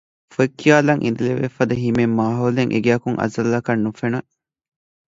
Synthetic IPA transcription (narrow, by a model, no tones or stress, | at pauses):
foekːijaːlɐŋʔḭnd̪ileʋefɐd̪ɐɦimemːaːɦoːleŋʔḛɡæːkuŋʔɐ̰zɐlːɐkɐnːufenɐ